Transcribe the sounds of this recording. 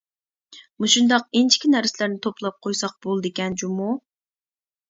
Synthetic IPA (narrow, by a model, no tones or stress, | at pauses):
muʃund̪ɑqent͡ʃʰi̥kʲʰinæɾsɪlæɾnɪt̪ʰoplˠɑp̚qʰojsɑq̚b̥olˠd̪ɪkʲɛnd͡ʒumu